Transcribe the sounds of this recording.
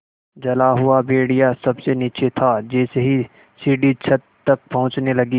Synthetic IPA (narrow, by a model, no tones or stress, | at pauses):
d͡ʒɐlaɦʊabeːɽijasɐbsenit͡ʃʰet̪ʰad͡ʒɛːseɦi | siːɖit͡ʃʰɐt̪ːɐk̚pɐɦʊ̃t͡ʃnelɐɡiː